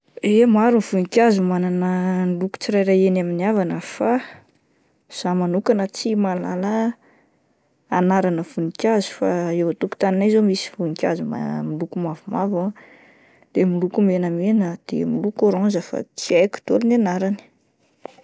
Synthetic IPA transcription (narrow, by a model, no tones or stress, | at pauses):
emaɾunv̥unikʲazumananənluku̥t͡siɾajɾajenaminiavanəfa | z̥amanukanət͡simalalə | anaɾanəv̥unikʲjazu̥faewat̪uku̥t̪aninajzomisi̥vunikʲazuma̰milukumavumava | d̪̥emilukumenəmenəd̪̥ḛmilukoɾɔ̃nzəfa̰t͡siajku̥t̪olinanaɾani̥